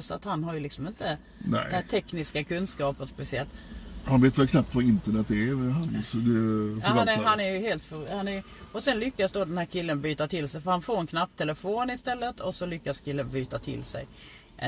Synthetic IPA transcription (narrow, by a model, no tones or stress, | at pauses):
sa̰t̪hanːɦaɾjɵlɪksɔmɪnt̪ə | n̰æːt̪ʰɛknɪskakʰɵnskɑːpəɾspɛsɪɛlt̪hanveːt̪ʋɛlkʰnap̚t̪vɑɾɪnt̪əɳɛt̪ːɛɦansɔd̪ɛfaɦanæɾjɵheːlt̪fœɾhanæɾj | ɔsɛnlʏkːasd̪oːd̪ɛnhæːɾkʰɪlːənbyːt̪at̪ʰɪlsɛjfœɾhanfoːɾɛnkʰnap̚ːt̪ʰɛləfoːnɪst̪ɛlːət̪ʰɔsɔlʏkːaskʰɪlːənbyːt̪at̪ʰɪ̰lsɛ̰j